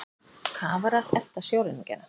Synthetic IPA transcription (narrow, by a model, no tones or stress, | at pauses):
kʰaːvaɾḁɛl̥t̪asjowɾɪniŋcɛ̰nːa